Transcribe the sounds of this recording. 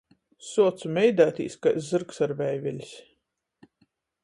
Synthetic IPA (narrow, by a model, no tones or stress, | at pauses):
suɔt̪sumʲɛjd̪aːt̪ʲḭːskajszɨɾksaɾvɛjvʲɛlʲisʲ